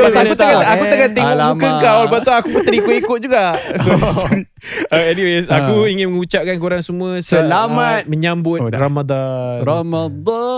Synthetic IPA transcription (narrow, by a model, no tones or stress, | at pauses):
aakut̪akaakuakat̪eŋobukəkawlbat̪oakuput̪əɾikoikʊt̪̚d͡ʒuɡaʔsos | əɛniwesakuiŋɪnməŋut͡ʃap̚kank̬uɾaŋsəmũə̃səlamat̪̚məɲãmbʊt̪̚ramad̪anamad̪